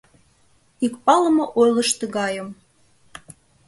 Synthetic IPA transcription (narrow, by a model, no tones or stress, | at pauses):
ikpɑlə̆moʔojlə̆ʃt̪ə̆ɣɑjəm